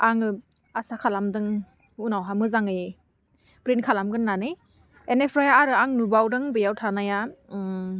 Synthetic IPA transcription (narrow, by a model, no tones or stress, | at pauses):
aŋɯ | asakʰalamdɯŋ | unawɦamɯzaŋɯj | pɾinkʰalamɡɯnːanɯ | enepʰɾajaaɾɯaŋnubawdɯŋbɯjawtʰanaja